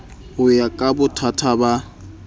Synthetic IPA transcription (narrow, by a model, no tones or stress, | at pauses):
ʊjakʼabʊtʰatʰaba